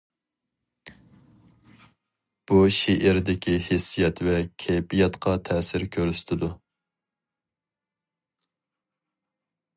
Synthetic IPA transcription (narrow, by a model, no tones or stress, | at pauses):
b̥uʃiʔɪɾd̪ɪkʲʰihɪsːijɛt̪vɛkʲʰɛjbijɛt̪qʰɑt̪ʰɛsɪɾkʲʰøɾyst̪ʰɪd̪u